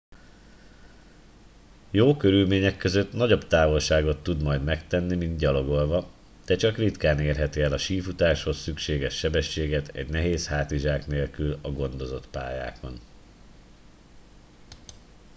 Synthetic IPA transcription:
joːkø̞ɾylmeːɲɛkːø̞zø̞t̪nɒɟo̞bt̪aːvo̞lʃaːɡo̞t̪ːud̪mɒjd̪mɛkt̪ɛnːimind̪ɟɒlo̞ɡo̞lvɒ | d̪̥ɛt͡ʃɒkrit̪kaːneːrɦɛt̪iɛlɒʃiːfut̪aːʃho̞sːykʃeːɡɛʃːɛbɛʃːeːɡɛt̪ɛ̰ɟnɛɦeːshaːt̪iʒaːkneːlkylɒɡo̞nd̪o̞zo̞t̪pa̰ːja̰ːko̞n

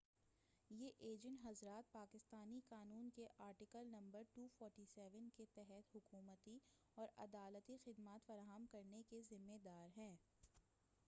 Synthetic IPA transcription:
jeʔeːd͡ʒə̃ɳʈɦɐzɾaːt̪̚paːkɪst̪aːnikaːnuːnkeʔaːɾʈɪkəlnɐ̃mbəɾʈuːfɔːɾʈisɛːʋənket̪ɛɦɛt̪ɦʊkuːmət̪i | ɔːɾɐ̰d̪aːlət̪ixɪd̪maːt̪fɐɾaːɦəmkɐɾnekezɪmːed̪aːɾɦɛ̃ː

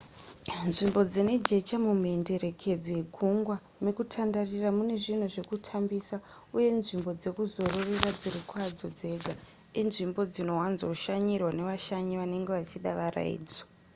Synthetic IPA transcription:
nʐimbo̞d͡zine̞d͡ʒe̞t͡ʃamumuende̞ɾe̞kʰe̞d͡zojeɡʱuŋɡwa | nekutʰandariramune̞ʐin̤o̞ʐe̞kutʰambisa | uje̞nʐimbo̞d͡ze̞kuzo̞rorirad͡zirikwad͡zo̞d͡ze̞ɡʱa | inʐimbo̞d͡zino̞wanzouʃaɲirwane̞ʋaʃaɲiʋane̞ŋɡeʋat͡ʃiɗaʋara̰ḭːd͡zo

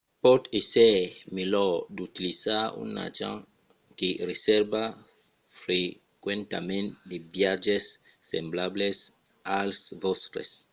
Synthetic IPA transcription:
pɔt̪esemelɔd̪ut̪ilizaṵna̰d͡ʒã̰ŋ | keɾeseɾba | fɾe | kwẽnt̪a̰mẽnt̪̚d̪ebjad͡ʒesː | emblables | alsvɔst̪ɾḛs

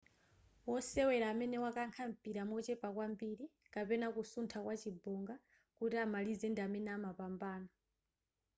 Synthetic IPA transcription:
wɔsɛwɛɾaːmɛnɛwakaŋkʰam̩piɾamwɔt͡ʃɛpakwambiːɾi | kapɛnakusuntʰakwat͡ʃibuŋɡa | kutiamalizɛndiamɛnɛamapambaːna

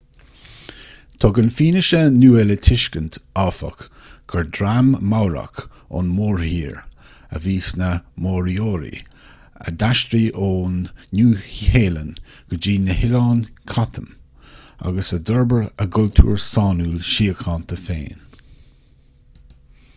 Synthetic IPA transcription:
t̪ʰɔːɡənfiːnɪʃənuːɛlət̪ʰɪʃkənt̪ʰɑːfə̰k | ɡ̥ʰəɹdɾamːawɾa̰k | ʊ̰nmoːɹhiːɹ | ə̰viːsnəmoːɹioːɾḭ | ə̰d̪aʃt̪ɾiːʔoːnːuːheːlən | ɡ̥əd͡ʒiːnəhɪlɑːnkʰat̪ʰəm | a̰ɡəsədəɹbəɹəɡʊlt̪ʰṵːɹsɑːnuːlʃiːəkʰɑːnt̪ʰəfḛːn

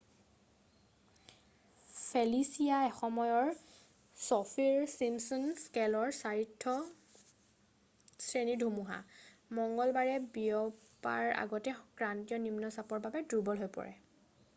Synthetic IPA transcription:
pʰelisijaɛxɔmɔjɔɹ | sɔfʰiɹsimsɔnskɛlɔɹsaɹitʰːɔ | sɹenidʱumuɦa̰ | mɔŋɡɔlbaɹɛbiɔ | pa̰ɹa̰ɡɔtɛkɹantijɔnimnɔsapɔɹbabɛdubɔlɦojpɔ̰ɹɛ̰

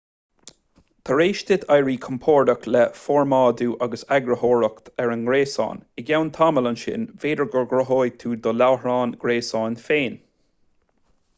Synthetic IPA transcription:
t̪ʰəɹeːʃt̪ɪd̪ajɹiːkʰɔmpʰɔːɹdəklɛfɔːɹmɑːd̪uːʔaɡəsaɡɾəhɔːɹəkt̪ʰɛɹənɡɾeːsɑ̰ːnɪɡawnt̪ʰamələnʃɪ̰nveːdəɹɡəɹɡɾɔɦoːjt̪ʰuːd̪ɔlawhɹɑːnɡ̥ɾeːsɑːnfeːn

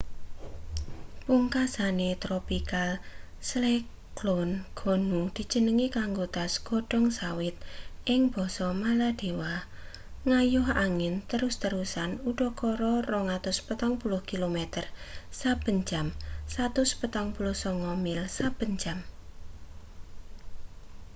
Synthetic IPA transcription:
puŋkasanet̪ɾopikal | sle | klɔnɡ̥ɔ̤nud̪̥i̤̥d͡ʒ̥ə̤nəŋikaŋɡod̪asɡ̥ɔ̤ɖ̥ɔ̤ŋsawɪt̪̚ʔɪŋb̥ɔ̤sɔmalad̪̥e̤wah | ŋajʊɦaŋɪnt̪əɾʊst̪əɾusanuɖ̥ɔ̤kɔɾɔrɔŋat̪ʊspət̪ɔŋpulʊhkilomɛt̪ərsab̥ə̤ɲt͡ʃamsat̪ʊspət̪ɔŋpulʊhsɔŋɔmɪlsab̥ə̤ɲt͡ʃam

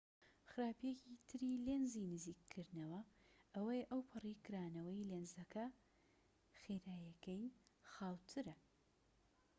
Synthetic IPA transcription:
xɨɾaːpjecit̪ʰɨɾilenzinɨziːkʰːɨɾd̪nɐwɐʔɐwɐjʔɐwpʰɨrikʰɨɾaːnɐwɐjleːnzɐkʰɐ | xeɾaːjɐkɐjxaːwt̪ʰɨɾɐ

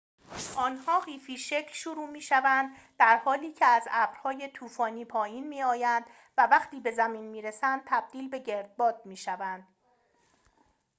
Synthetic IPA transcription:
ʔɒːnhɒːɢiːfiːʃecʰlʃuɾuːmiːʃævænd̪ːæɾhɒːliːcʰe̞æzæbɾhɒːje̞t̪ʰuːfɒːniːpʰɒːjiːnmiːɒːjænd̪̥ | vævæχt̪ʰiːbe̞zæmiːnmiːɾesænd̪̚t̪ʰæb̚d̪̥iːlbe̞ɟe̞ɾd̪̚bɒːd̪̥̚miːʃævænd̪̥

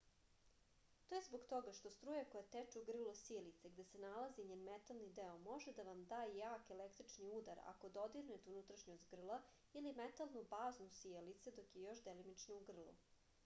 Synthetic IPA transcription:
t̪ojezboɡt̪o̞ɡaʃt̪o̞st̪ɾuːjakojat̪et͡ʃeuɡr̩lˠosielit̪seɡd̪esenalaziɲeːnmet̪alˠnid̪eomo̞ʒed̪aʋamd̪aːjaːkelekt̪ɾit͡ʃniud̪aɾa̰ko̞d̪o̞d̪iɾnet̪unut̪ɾaʃɲozɡr̩lˠa | ilimet̪alˠnubaːznusielit̪sed̪o̞kjejo̞ʃd̪elimit͡ʃnouɡr̩lˠo̰

